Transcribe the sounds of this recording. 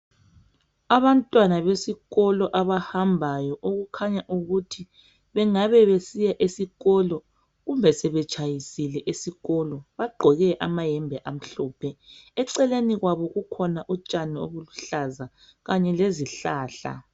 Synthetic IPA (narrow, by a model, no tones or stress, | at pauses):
aβantʼwanaβesiɣɔlɔʔaβahambʱajɔʔoɣukʰaɲaʔuɣutʰi | βɛŋaβɛβesijaʔesiɣɔlɔ | ɣumbʱɛsɛβɛt͡ʃʼʰajisilɛʔesiɣɔlɔβaɡ͡ǃʱɔɣɛʔamajɛmbʱɛʔam̩ɬɔːpʰɛɛǀɛleniɣwaβɔɣukʰɔnaʔut͡ʃʼanio̰βuluɬaza | ɣaɲɛleziɬaːɬa̰